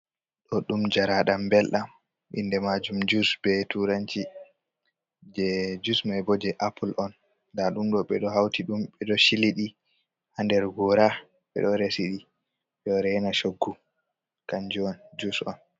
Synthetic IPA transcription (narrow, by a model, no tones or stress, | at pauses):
ɗɔɗumd͡ʒaɾaɗambɛlɗam | ɓḭndɛmad͡ʒumd͡ʒusbɛtuɾant͡ʃi | d͡ʒɛd͡ʒusmajbɔd͡ʒɛʔapulʔɔn | daɗumɗɔɓɛɗɔɦawtiɗumɓɛɗɔʃiliɗi | andɛɾɡɔɾa | ɓɛ̰ɗɔɾesiɗi | jɔɾɛnaʃoɡːu | kand͡ʒuɔnd͡ʒusɔ̰n